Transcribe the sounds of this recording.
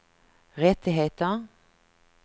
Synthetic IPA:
ʁɛt̪ɪɦeːt̪ə

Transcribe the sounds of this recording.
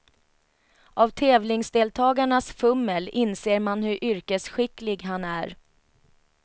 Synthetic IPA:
ʔavt̪ʰɛːvlɪŋsd̪eːlt̪ʰɑːɡaɳasfɵmːəlɪnseːɾmanhɵɾʔʏɾkəsɧɪkːlɪɡɦanæɾ

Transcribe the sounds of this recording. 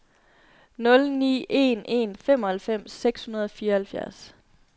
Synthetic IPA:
nɔ̽lnḭːʔe̝̰ne̝̰nfem̰ɒ̽hælfem̰sːeɡ̥shunɐð̞ˠɒ̽fiːɐhælfjæɐs

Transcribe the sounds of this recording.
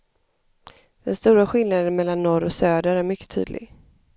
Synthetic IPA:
d̪̥ɛnst̪uːɾaɧɪlnad̪ənmɛlːanːɔɾɔsøːd̪əɾæɾmʏkːə̥t̪ʰy̰ːd̪lɪ̰ɡ

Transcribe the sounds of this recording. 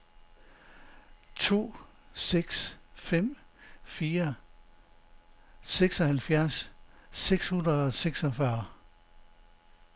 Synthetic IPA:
t͡sʰo̝̰ː | seɡ̥sfem̰fiːɐ | seɡ̥sɒ̽hælfjæɐsː | eɡ̥shunʁɐɒseɡ̥sɒfɶɐ

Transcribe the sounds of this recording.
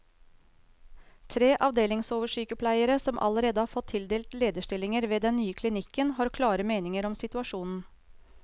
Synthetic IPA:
t̪ʰɾeːʔɑʋd̪eːlɪŋsoːʋəʂyːkəpʰlæɪəɾəsɔmʔɑ̰ləɾeːd̪əhɑːɾfɔt̪ʰːɪld̪eːlt̪leːd̪əʂʈɪlɪŋəɾʋeːd̪ɛnnyːəkʰlɪnɪkːənhɑːɾkʰlɑːɾəmeːnɪŋəɾɔmsɪt̪ʉɑʂuːnn̩

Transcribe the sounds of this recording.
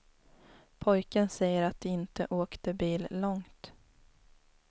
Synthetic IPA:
pʰɔjkənsɛjːəɾat̪̚d̪ɛɪnt̪ə̰ʔoːkt̪əbiːlːɔŋt̪

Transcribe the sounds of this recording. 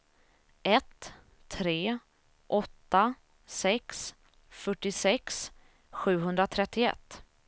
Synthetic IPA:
ʔɛt̪ʰː | ɾeː | ʔɔt̪ːa | sɛks | fœʈːɪsɛks | ɧʉ̟ːɦɵnd̪ɾat̪ʰɾɛt̪ːɪɛ̰t̪ː

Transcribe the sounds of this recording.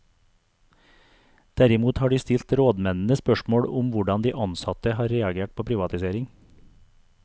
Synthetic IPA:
d̪̥æɾɪmuːt̪hɑːɖiːst̪ɪlt̪ɾoːd̪mɛnn̩əspœʃmoːɽʊmʋʊɖɑnd̪iːʔɑnsɑt̪əhɑːɾɾeːɑɡeːʈ̚pʰoːpʰɾiːʋɑt̪ɪseːɾɪŋ

